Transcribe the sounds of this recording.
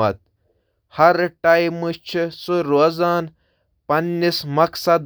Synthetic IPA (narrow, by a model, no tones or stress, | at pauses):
ɐt̪̚ | hɐɾʈajmɨt͡ʃʰisuɾoːzaːn | pɐnːismɐksɐd̪